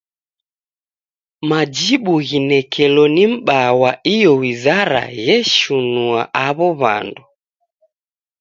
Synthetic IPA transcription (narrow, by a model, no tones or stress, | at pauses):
mad͡ʒiɓuɣinɛkʰɛlɔnim̩ɓawaijɔwizaɾa̰jɛʃunuaʔaβɔβa̰ndu